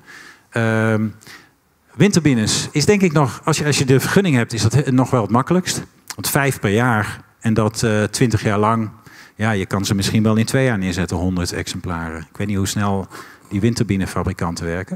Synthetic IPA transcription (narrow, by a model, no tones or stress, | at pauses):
əm | ʋɪntəɹbinəsɪsdɛŋkɪknɔχɑlsjəɑsjədəvəɹχɵnɪŋɦɛp̚tɪszdɑtnɔχʋɛlˠətmɑkələkst | ʋɑntfɛjfpɛɹjaːɹ | ɛndɑttʋɪntəχjaːɹlɑŋjaːjəkɑnzəmɪsχinʋɛlˠɪntʋejaːɹnɪːɹzɛtənɦɔndəɹtɛ̰ksɛmplaːrəɪkʋejt̚nitɦusnɛlˠdiʋɪntəɹbinəfabrikɑntəʋɛɹkə